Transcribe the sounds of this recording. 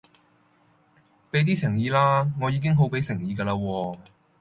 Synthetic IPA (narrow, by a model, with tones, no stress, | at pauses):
pe˨˥jt̪̬iː˥sɪ˨˩ŋjiː˨˧laː˥ŋɔː˨˧jiː˨˧kɪ˥ŋɦo˨˥wpe˨˥jsɪ˨˩ŋjiː˨˧ɡɐː˧laː˧wɔː˧